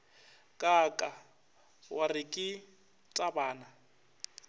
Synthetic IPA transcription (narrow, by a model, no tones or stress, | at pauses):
kʼakʼa | wʔarɪkʼɪ | tʼabaːna